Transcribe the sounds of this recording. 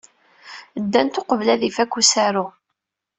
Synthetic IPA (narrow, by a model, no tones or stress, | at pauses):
d̪ːænt̪ʊqəvlæðifækːusæɾʊ